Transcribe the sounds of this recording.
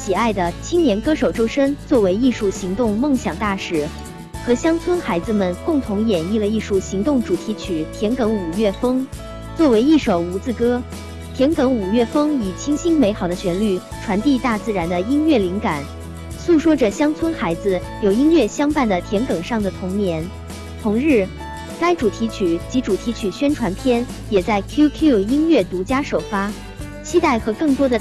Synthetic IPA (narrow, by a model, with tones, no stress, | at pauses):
ɕi˨˩a˥˩ɪd̪ə˩t͡ɕʰi˥ŋnjɛ˧˥nkɤ˥ʂo˨˩ʊʈ͡ʂo˥ʊʂə˥ŋt͡swɔ˥˩we˧˥ɪi˥˧ʂu˥˩ɕi˧˥ŋt̪ʊ˥˧ŋmɤ˥˩ŋɕjɑ˨˩ŋt̪a˥˩ʂɻ̩˨˩˦ | xɤ˧˥ɕjɑ˥ŋt͡sʰwə˥nxa˧˥ɪd͡zɹ̩˧mə˨nkʊ˥˩ŋt̪ʰʊ˧˥ŋjɛ˨˩ni˥˩lə˩i˥˩ʂu˥˩ɕi˧˥ŋt̪ʊ˥˩ŋʈ͡ʂu˨˩t̪ʰi˧˥t͡ɕʰy˨˩t̪ʰjɛ˧˥nkɤ˧˥ŋu˨˩ɥɛ˥˩fɤ˥ŋ | t͡swɔ˥˩we˧˥ɪi˥˩ʂo˨˩ʊu˧˥t͡sɹ̩˥˩kɤ˥ | t̪ʰjɛ˧˥nkɤ˧˥ŋu˨˩ɥɛ˥˩fɤ˥ŋi˨˩t͡ɕʰi˥ŋɕi˥ŋme˧˥ɪxɑ˨˩ʊd̪ə˦ɕɥɛ˧˥nly˥˩ | ʈ͡ʂʰwa˧˥nt̪i˥˧t̪a˥˧t͡sɹ̩˥˩ɻa˧˥nd̪ə˧i˥ŋɥɛ˥˩li˧˥ŋka˨˩˦n | su˥˩ʂwɔ˥ʈ͡ʂə˨ɕjɑ˥ŋt͡sʰwə˥nxa˧˥ɪd͡zɹ̩˧ | jo˨˩ʊi˥ŋɥɛ˥˩ɕjɑ˥ŋpa˥˩nd̪ə˩t̪ʰjɛ˧˥nkɤ˨˩ŋʂɑ˥˩ŋd̪ə˩t̪ʰʊ˧˥ŋnjɛ˧˥n | t̪ʰʊ˧˥ŋɻɻ̩˥˩ | ka˥ɪʈ͡ʂu˨˩t̪ʰi˧˥t͡ɕʰy˨˩t͡ɕi˧˥ʈ͡ʂu˨˩t̪ʰi˧˥t͡ɕʰy˨˩ɕɥɛ˥nʈ͡ʂʰwa˧˥npʰjɛ˥n | jɛ˨˩t͡sa˥˩ɪkʰju˥kʰju˥˩i˥ŋɥɛ˥˩t̪u˧˥t͡ɕja˥ʂo˨˩ʊfa˥ | t͡ɕʰi˥t̪a˥˩ɪxɤ˧˥kɤ˥˩ŋt̪wɔ˥d̪ə˨